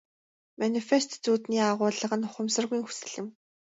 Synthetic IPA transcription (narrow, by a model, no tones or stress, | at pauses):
manifest̪t͡suːt̪niːaʁʊːɮə̆ʁə̆nʊχʊ̆msə̆rɣiːŋxu̥sɘ̥̆ɮɘ̆m